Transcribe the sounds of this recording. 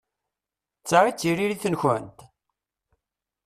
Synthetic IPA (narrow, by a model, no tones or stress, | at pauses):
t͡sːaɾit͡sːiɾiɾiθənçənt̪